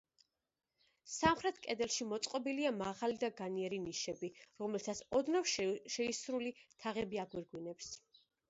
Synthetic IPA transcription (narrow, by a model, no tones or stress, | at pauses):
samχɾɛt̪ʰkʼɛd̪ɛlˠʃimɔt̪sʼqʼɔbiliamaʁalid̪aɡaniɛɾiniʃɛbiɾɔmɛlt̪ʰat̪sʰɔd̪nafʃʃɛisɾulit̪ʰaʁɛbiaɡwiɾɡwinɛps